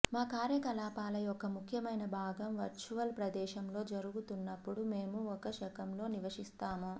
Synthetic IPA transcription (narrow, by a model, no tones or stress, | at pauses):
maːkaːɾjɐkɐlaːpaːlɐjɔkɐmukʰjɐmɐjnɐbʱaːɡɐmʋɐɾt͡ʃuʋɐlpɾɐd̪ɛːʃɐmlo̞ːd͡ʒɐɾuɡut̪unːɐpːuɽumeːmuɔkɐʃɐkɐmlo̞ːniʋɐʂist̪aːmu